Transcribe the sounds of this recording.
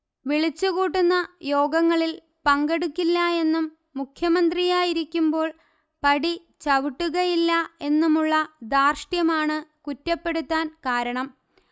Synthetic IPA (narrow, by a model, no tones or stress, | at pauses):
ʋiɭit͡ɕːuɣuːʈːunːɐjo̞ːɡɐŋːɐɭil | pɐŋɡeɽukʲːilːɐe̞nːumː | ukʰjɐmɐnd̪rijaːjiɾikʲːumbo̞ːɭ | pɐɽi | t͡ɕɐʋiʈːuɣɐjilːɐe̞nːumuɭːɐd̪aːrʂʈjɐmaːɳɨkutːɐpːe̞ɽut̪ːaːnkaːɾɐɳɐm